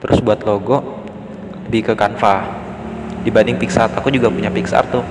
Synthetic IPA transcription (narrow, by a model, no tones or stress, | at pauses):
t̪əɾʔʊsbuat̪loɡɔ | ləbɪkəkanfa | dibandɪŋpiksart̪akud͡ʒuɡapuɲapiksa̰rt̪ʊh